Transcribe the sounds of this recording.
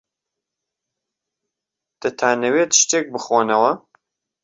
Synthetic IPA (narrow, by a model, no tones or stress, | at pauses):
d̪̥ɐt̪ʰaːnɐweːt̪ʃt̪eːk̚bɨχoːnɐwɐ